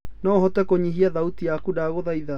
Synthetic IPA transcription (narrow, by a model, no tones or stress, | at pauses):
nɔːɦɔtɛkoɲiɦiaðautiakudaɣoðaiða